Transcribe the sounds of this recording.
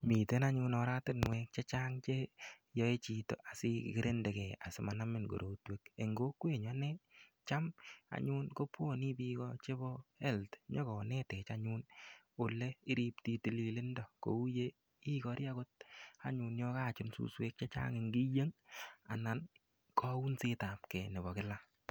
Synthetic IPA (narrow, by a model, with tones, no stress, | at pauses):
mi˨te˦na˦ɲu˧nɔ˧ɾa˦tɪ˦nŋwɛ˧k̚t͡ʃe˦t͡ʃaː˦ŋt͡ʃe˦ | jɔ˦e˦t͡ʃi˨to̰˨ʔa˨si˦kkɪ˦ɾʔe˦nde˨kɛ˨a˨sɪ˨ma˨na˦mɪ˦nɡo̰˨ɾʔo˨twe˦ke˨ŋɡo˦kwe˦˨ɲɔ˦nɛ˦ | t͡ʃa˦ma̰˨ɲu˦nko˦pwo˦˨ni˦pi˧kɔt͡ʃe˦bɔɛ˦ltɲɔ˦kɔ˨nɛ˦tɛ˨t͡ʃaɲu˦n | o˨le˦ɪ˦ɾi˦pti˧ti˨li˨lɪ˦ndɔ˨ko̰˨u˦je˦ | i˦kɔ˧ɾja˦ko˦t̚a˨ɲu˧njɔ˧kaː˦˨t͡ʃʊ˦nsṵ˦swe˦k̚t͡ʃe˦t͡ʃa̰˦ŋɪ˨ŋɡi˦je˦ŋa̰˨na˨n | kɔ˦u˦nsi˦ta˨p̚kɛ˨nɪ˨bɔ˨kɪ˦la˦